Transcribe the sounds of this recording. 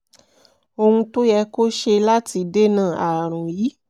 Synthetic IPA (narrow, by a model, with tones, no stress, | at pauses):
o˧hũ˧to˦jɛ˧ko˦ʃe˧la˦ti˧de˦nãː˦˨a˨ɾ̃ũ˨ji˨˦